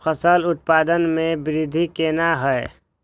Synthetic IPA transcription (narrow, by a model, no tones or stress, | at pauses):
pʰəsəlʊt̪̚paːd̪ənmẽbɪɾɪd̪ʱikeːnaɦɛe